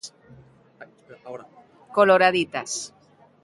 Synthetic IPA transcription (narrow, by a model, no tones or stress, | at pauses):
koloɾaðit̪as